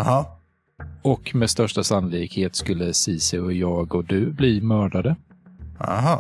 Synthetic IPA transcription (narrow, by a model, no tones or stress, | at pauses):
hɑ | ɔkmest̪œʂʈasanlɪːkheːt̪skɵlːəsiːsɪɔjɑːɡɔd̪ɵbliːmœːɖad̪ə | a̰ɦɑ